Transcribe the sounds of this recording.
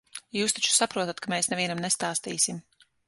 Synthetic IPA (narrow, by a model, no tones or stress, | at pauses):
juːst̪at͡ʃu̥sapɾuɔt̪at̪kamɛːsnɛviɛnamnest̪aːst̪iːsim